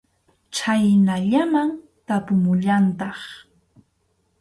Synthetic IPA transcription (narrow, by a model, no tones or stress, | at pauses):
t͡ʃajnaʎamaŋ | t̪apʊmʊʎant̪ɑχ